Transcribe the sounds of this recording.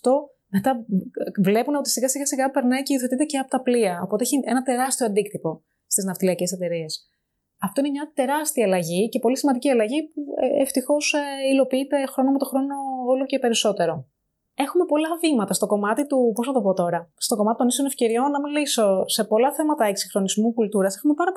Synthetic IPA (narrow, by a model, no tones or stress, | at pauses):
ɐft̪o̞ | me̞t̪ɐvle̞puneo̞t̪isiɣɐsiɣɐsiɣɐpe̞ɾnɐjceioθeit̪ece̞ɐpot̪ɐpliɐopo̞t̪eeçienɐt̪e̞ɾɐst̪ioɐnd̪ik̚t̪ipo̞ | st̪iznɐft̪iliɐce̞se̞t̪e̞ɾie̞s | ɐft̪o̞inemɲɐt̪e̞ɾɐst̪iɐlɐʝice̞po̞lisimɐnd̪iciɐlɐʝipṵeft̪ixo̞silo̞piit̪e̞xɾo̞nomet̪o̞xɾo̞no̞olo̞ce̞pe̞ɾisot̪e̞ɾo̞ | e̞xume̞po̞lɐvimɐt̪ɐst̪o̞ko̞mɐt̪it̪upo̞snɐt̪o̞po̞t̪o̞ɾɐst̪o̞ko̞mɐt̪it̪onisone̞fce̞ɾio̞nːɐmiliso̞se̞po̞lɐθe̞mɐt̪ɐeksi̥xɾo̞nizmukult̪uɾɐsexume̞pɐɾɐp